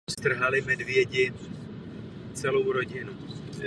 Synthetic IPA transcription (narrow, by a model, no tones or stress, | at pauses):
st̪r̩ɦalɪmɛd̪vjɛɟɪ | t͡sɛlowɾoɟɪnu